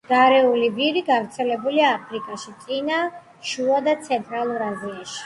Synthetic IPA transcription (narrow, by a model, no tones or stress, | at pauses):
ɡ̥aɾɛulibiɾiɡavɾt̪sʰɛlɛbuliaːpʰɾikʼaʃit̪sʼina | ʃuad̪at̪sʰɛnt̪ʼɾalˠuɾaziaʃi̥